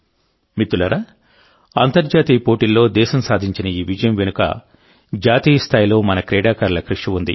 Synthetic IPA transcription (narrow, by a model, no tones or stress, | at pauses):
mit̪ːulɐɾɐ | ɐnt̪ɐɾd͡ʒaːt̪iːpo̞ːʈilːo̞ːd̪ɛːʃɐmsaːd̪ʱiɲt͡ʃinɐiːʋid͡ʒɐjɐmʋenukɐ̰ | d͡ʒaːt̪iːjɐst̪ʰaːjilo̞ːmɐnɐkɾɛːɽaːkɐɾɐlɐkɾuʂiund̪ḭ